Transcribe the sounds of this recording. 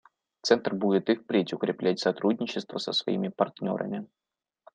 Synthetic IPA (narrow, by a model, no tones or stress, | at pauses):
t̪sɛnt̪r̩budʲɪt̪ɨxpɾʲetʲʊkɾʲɪplʲætʲsɐt̪ɾudʲnʲɪt͡ɕːɪst̪vəsəsvɐ̰imʲɪpɐrt̪nʲo̞̰ɾʔə̰mʲɪ